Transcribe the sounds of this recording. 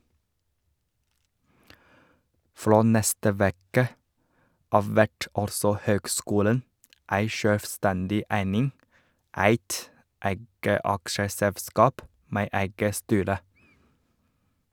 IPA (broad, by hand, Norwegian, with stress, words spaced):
ˈfɽoː ˈnɛstə ˈʋɛkə ˈɑːʋ ˈʋæʈ ˈɑlsɔ ˈhøːɡˌskuːlən ˈæɪ ˈʃøːlʋˌstændɪ ˈæɪnɪŋ ˈʔæɪt ˈʔæɪɡə ˈʔɑkʃəsɛʋˌskɑːp ˈmeː ˈæɪɡə ˈstyːɾə